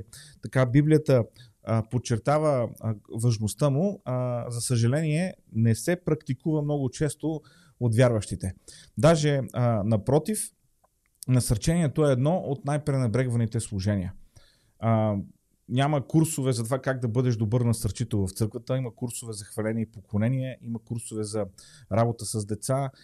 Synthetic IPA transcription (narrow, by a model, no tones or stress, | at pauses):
t̪ɐkabiblijət̪ə | pot̚t͡ʃːɛɾt̪avəvɐʒnost̪əmʊzɐsəʒɐlɛniɛnɛsɛpɾɐkt̪ikuvəmnɔɡʊt͡ʃɛst̪o | ot̪vʲjaɾvɐʃt̪it̪ɛd̪aʒɛnɐpɾɔt̪if | nɐsɐɾt͡ʃɛniɛt̪oɛːd̪nɔʔot̪najpɾɛnɐbɾɛɡvɐnit̪ɛslˠʊʒɛniə | nʲaməkuɾsovɛzɐt̪ovakaɡ̚d̪ɐbɤd̪ɛʃd̪obɤɾnɐsɐɾt͡ʃit̪ovɐft̪sɤɾkvət̪əimɐkuɾsovɛzɐxvɐlɛniipokonɛniɛimɐkuɾsovɛzɐɾabot̪əsɐzd̪ɛt̪sa